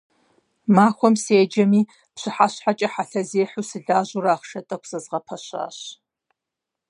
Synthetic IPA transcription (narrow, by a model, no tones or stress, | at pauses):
maːxʷɔmseːd͡ʒɐmiː | pɕɨħaɕħat͡ʃʼɐħaɬɐzeːħuːsɨɮaːʑʊraːχʃɐtʼɐkʷʰsɐzʁɐpʰɐɕa̰ːɕ